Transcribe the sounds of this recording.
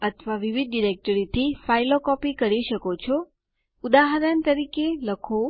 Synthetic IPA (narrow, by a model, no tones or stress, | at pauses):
ət̪ʰʋaʋiʋid̪̚ɖiɾek̚ʈəɾit̪ʰifailokɔpikəɾiʃəkot͡ʃʰɔ | ud̪aɦəɾənt̪əɾikeləkʰo